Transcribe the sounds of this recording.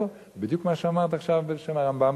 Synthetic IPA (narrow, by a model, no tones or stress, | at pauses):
o | bid̪jukmaʃeamaʁt̪aχʃavbeʃemaʁambam